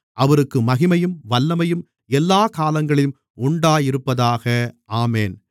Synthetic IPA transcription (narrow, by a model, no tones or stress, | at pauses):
ʔɐʋɐɾɯkːɯmɐɣɪmɐjɯmʋɐlːɐmɐjɯm | ɛlːaːkaːlɐŋɡɐɭɪm | ʊɳɖaːjɪɾɯpːɐðaːɣɐʔaːmeːn